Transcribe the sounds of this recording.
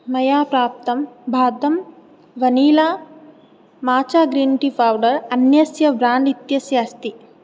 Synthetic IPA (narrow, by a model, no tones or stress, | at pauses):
mɐjaːpɾaːp̚t̪ɐmbʱaːd̪ɐm | ʋɐniːlaː | maːt͡ʃaːɡɾiːnʈipʰaːwɖɐɾɐnjɐsjɐbɾaːɳɖit̪jɐsjaːst̪i